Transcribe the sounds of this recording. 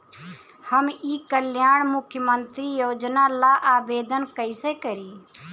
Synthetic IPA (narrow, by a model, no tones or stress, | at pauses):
həmiːkəljaːɳmʊkʰːjəmənt̪ɾijoːd͡ʒnalaʔaːbeːd̪ənkəɪsekəɾiː